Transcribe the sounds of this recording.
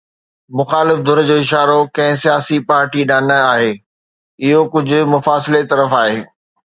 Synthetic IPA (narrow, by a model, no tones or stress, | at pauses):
mʊxaːlɪfd̪ʱʊɾd͡ʑoːɪʃaːɾokɐ̃ɦɪ̃sijaːsipaːɾʈiɗaːnəaːɦeː | ɪɦokʊd͡ʑʱʊ̆mʊfaːsɪlet̪ɐɾəfaːɦeː